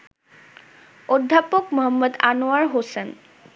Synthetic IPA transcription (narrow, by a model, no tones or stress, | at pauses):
od̪ʱːapokmoɦəmːəd̪a̰noaɾɦosen